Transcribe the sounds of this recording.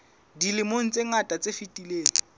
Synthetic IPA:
dilɪmoŋ̩t͡sʼeŋatʼat͡sʼefitʼileːŋ̩

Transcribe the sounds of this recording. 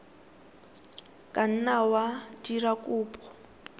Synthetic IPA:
kʼan̩nawadirakʼuːpʼɔ̥

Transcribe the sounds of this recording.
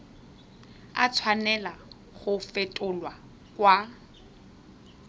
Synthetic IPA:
a̰t͡sʰwanɛla | ɣʊfɪtʼʊlwa | kʼwa

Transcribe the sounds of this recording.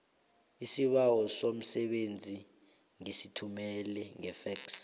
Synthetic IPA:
isiɓawɔsom̩sɛɓend͡zʱi | ŋisitʰumɛlɛŋɛfɛks

